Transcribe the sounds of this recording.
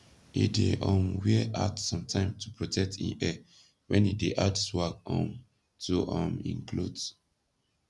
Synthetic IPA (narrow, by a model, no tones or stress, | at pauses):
ideʔɔ̃mwiʔadsɔ̃mtʰãɪ̃mtʰu̥pɹotʰɛk̚tĩnɛ | wɛ̃nideʔadswakɔ̃m | tʰuʔɔ̃mḭ̃ŋkʰlud